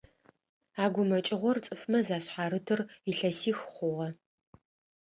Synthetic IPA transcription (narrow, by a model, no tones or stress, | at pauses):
aːɡʷʊmɐt͡ʃʼɪʁʷɔrt͡sʼɨfmɐzaːɕħaːɾɨtʰɨriɬɐsiːxχʷʊʁɐ